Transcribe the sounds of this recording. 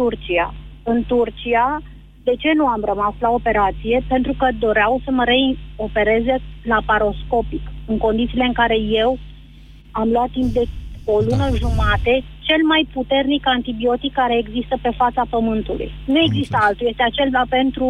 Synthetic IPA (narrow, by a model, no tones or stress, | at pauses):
t̪urt͡ʃia̰ɨnt̪urt͡ʃia | d̪e̞t͡ʃe̞nuamrəmaslao̞pe̞ɾat̪sije̞pe̞nt̪ɾukəd̪o̞ɾeawsəməɾe̞o̞pe̞ɾe̞zelapaɾo̞sko̞pikɨŋko̞nd̪it̪sile̞ɨŋkaɾe̞je̞w | amluat̪ːimp̚d̪e̞olunəʒumat̪e̞ | t͡ʃe̞lmajput̪e̞rnikant̪ibio̞t̪ikːaɾe̞ːɡzist̪əpe̞fat̪sapəmɨnt̪ulṵjnue̞ɡzist̪əalt̪ujest̪eat͡ʃe̞lvape̞nt̪ɾu